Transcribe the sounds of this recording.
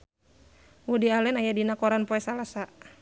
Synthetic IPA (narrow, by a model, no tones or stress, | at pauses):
wudialɛnajadinakɔɾanpɔɛsalasa